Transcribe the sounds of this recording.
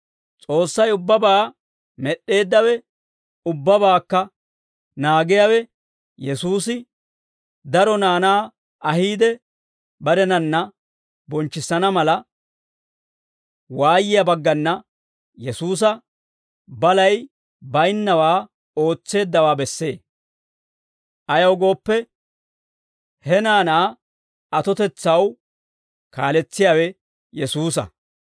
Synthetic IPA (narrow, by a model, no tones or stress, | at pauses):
t͡sʼo̞ːsːɐjʊbːɐbaː | mɛɗːe̞ːd̪ːɐwɛ | ʊbːɐbaːkːɐ | naːɡɪjawɛ | jɛsuːsɪ | d̪ɐɾɔnaːnaː | ɐhiːd̪ɛ | bɐɾɛnɐnːɐ | bɔnt͡ʃːɪsːɐnɐmɐlɐ | waːjɪjɐbɐɡːɐnːɐ | jɛsuːs̬ɐ | bɐlɐj | bɐjnːɐwaː | o̞ːt͡sːe̞ːd̪ːɐwaːbɛsːe̞̰ː | ʔɐjɐwɡo̞ːpːɛ | hɛnaːnaː | ɐt̪ɔt̪ɛt͡sːɐw | kaːlɛt͡sːɪjaːwɛ | jɛsuːs̬ɐ̰